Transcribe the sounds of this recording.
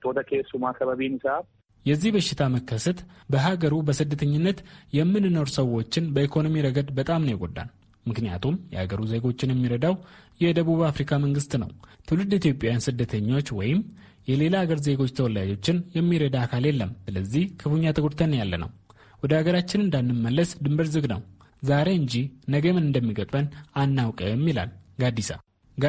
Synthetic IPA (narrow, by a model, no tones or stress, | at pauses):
od̪əkʰesumakʰːaβaβinɨsaβ | jɛzːihbəʃːɪt̪ʰaməkːəsət̪bəɦaɡəɾubəsɨd̪ːət̪ʰəɲːɪnːət̪jɛmːɨnɨno̞ɾsəwːo̞t͡ʃːɪnbəikʰo̞no̞miɾəɡəd̪bət̪ʼamnəjɪɡo̰d̪ːa̰n | mɨknija̰t̪ʰumjɛ̰ha̰ɡəɾuze̞ɡo̞t͡ʃːɪnjɛmːiɾəd̪awjɛd̪əβuβafɾikʰaməŋɡɨst̪nə̰wt̪ʰɨwlɨd̪it̪jo̞pʼːjajansɨd̪ːət̪ʰəɲːo̞t͡ʃːwɔjɪm | jɛle̞laːɡəɾze̞ɡo̞t͡ʃːt̪ʰəwɔlad͡ʒo̞t͡ʃːɪnjɛmːiɾəd̪akʰaljɛlːəmsɨləzːihkʰɨfuɲːat̪ʰəɡoɾt̪ʰənːjalːə̰nə̰w | wɔd̪əaɡəɾat͡ʃːɪnɨnd̪anːɨmːəlːəsd̪ɨmbəɾzɨɡnə̰w | zaɾe̞ɨɲd͡ʒihnəɡəmɨnɨnd̪əmːiɡət̪ʼbənanːawkʼəmːila̰lɡad̪ːisa̰